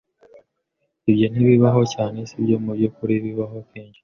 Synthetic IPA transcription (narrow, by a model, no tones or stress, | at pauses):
ibjo̞n̥iβiβaɦo̞caːne̞sibɟo̞mubɟokuɾiβiβaɦo̞kiːɲɟi̥